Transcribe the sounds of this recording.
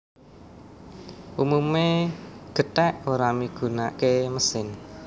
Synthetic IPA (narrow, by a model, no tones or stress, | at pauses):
ʔumumeɡ̥ə̤t̪ɛʔoɾamiɡ̥ṳnaʔkeməsɪn